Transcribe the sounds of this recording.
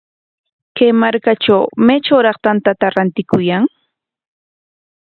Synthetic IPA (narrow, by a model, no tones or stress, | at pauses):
kajmaɾkaʈ͡ʂawmet͡ʃawɾɑχt̪ant̪at̪aɾant̪ɪkʊjaŋ